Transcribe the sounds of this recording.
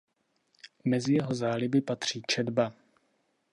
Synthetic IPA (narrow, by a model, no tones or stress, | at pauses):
mɛzɪjɛɦo̞zaːlɪbɪpat̪r̝̥iːt͡ʃɛdba